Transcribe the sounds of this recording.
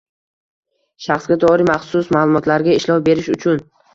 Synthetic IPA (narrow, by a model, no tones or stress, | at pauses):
ʃaχsɡʲad̪ɒɾɪmaχsʊsmaːlˠʊmɒt̪laɾɡʲaɪʃlɒwbe̞ɾɪʃʊt͡ʃʰʊn